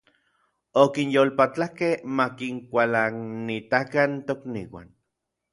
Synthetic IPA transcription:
okinjolpat͡ɬahkehmakiŋkʷalanit̪akant̪oknḭːwa̰n

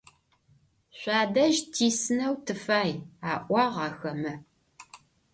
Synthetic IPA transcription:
ɕʷaːdɐʒtʰiːsɨnɐwtʰɨfaːjaːʔʷɑːʁɑːxɐmɐ

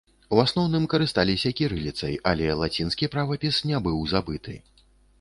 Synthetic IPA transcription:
uasnɔwnɨmkɐɾɨst̪alʲisʲɐkʲiɾɨlʲit̪sɐjalʲɛlˠat͡sʲinskʲipɾavɐpʲisnʲɛbɨwzabɨt̪ʰɨ̰

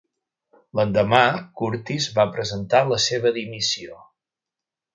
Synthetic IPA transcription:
lənd̪əmakuɾt̪izβapɾəzənt̪aləseβ̞əðimisio

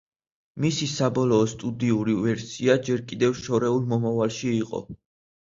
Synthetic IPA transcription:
misisabɔlˠɔːst̪ʼud̪iuɾivɛɾsiad͡ʒɛɾkʼid̪ɛvʃɔɾɛulˠmɔmavalˠʃiːqʼɔ̰

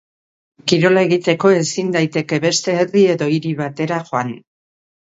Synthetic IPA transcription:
kiɾo̞lae̞ɣ̞it̪e̞ko̞e̞sind̪ajt̪e̞ke̞βe̞st̪e̞ːrie̞ðo̞iɾiβat̪e̞ɾaxo̞an

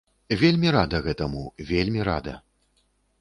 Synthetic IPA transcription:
vʲelʲmʲiɾad̪ɐɣɛt̪ɐmuvʲelʲmʲiɾa̰d̪ɐ̰

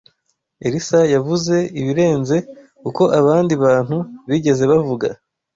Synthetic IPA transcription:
eɾisajavuze̞iβiɾe̞ːnze̞ | kuko̞ʔaβaːndiβaːn̥huβiɟe̞ze̞βavuɡa

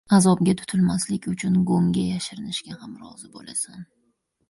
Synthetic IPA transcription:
azɒb̚ɡʲat̪ʰʊ̥t̪ʰʊlmaslɪkʲʊt͡ʃʰʊnɡomɡʲajaʃɪɾɪnɪʃɡʲahamɾɒ̰zɪbo̰lasan

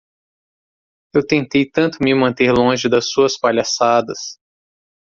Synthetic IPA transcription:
ewt̪ẽnt̪ejt̪ɐ̃nt̪ʊmɪmɐ̃nt̪eɾlõʒɪd̪ɐsːuɐspaʎasad̪ɐs

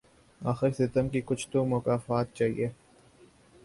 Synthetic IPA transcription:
aːxɪɾsɪt̪əmkikʊt͡ʃʰt̪õmʊkaːfaːt̪̚t͡ʃaːɦḭʔeː

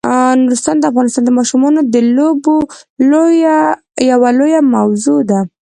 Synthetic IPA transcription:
nʊɾust̪ɑnd̪əafɣɑnɪst̪ɑnd̪əmɑʃumɑnod̪əloboloja | jawalojamawzod̪a

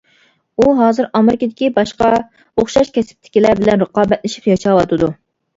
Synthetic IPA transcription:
uɦɑːzɨɾɑmɪɾɪkʲɨd̪ɪkʲibɑʃqɑ | oχʃɑʃkʲʰɛsɪ̥p̚t̪ʰɪ̥kʲilæɾbɪlɛnɾəqɑːbɛt̪lɪʃi̥pjɑʃɑwɑt̪ʰɨd̪u

